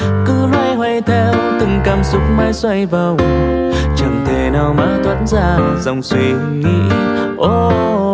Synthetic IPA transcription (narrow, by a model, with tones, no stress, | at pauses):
kɨ˧˦lwaː˧jhwɛ˧˩jt̪ʰɛ˧wt̪ɨ˨˩ŋkaː˧˩msʊ˦˥k͡p̚maː˨˦jswa˧jvə˨˩w | t͡ɕə˨˩nt̪ʰe˨˩naː˧˩wmaː˨˦t̪ʰwa̰ː˧˥nzaː˧˩zə˨˧˩wŋ͡mswi˧ | ŋḭ˧˥ | ʔo˧